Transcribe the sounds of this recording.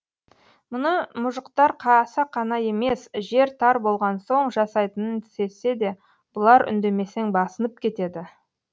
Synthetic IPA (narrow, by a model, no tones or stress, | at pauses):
mʊnəmʊʒəqt̪ɑɾqʰɑsɑqʰɑnɑje̞me̞sʒe̞ɾt̪ʰɑɾbo̞lˠʁɑnso̞ɴʒɑsɑjt̪ənənt̪ʰɪ̥se̞se̞d̪e̞ | b̥ʊlˠɑɾʔʏ̰nd̪e̞me̞seŋbɑsənəp̚kʲʰe̞t̪e̞d̪ɪ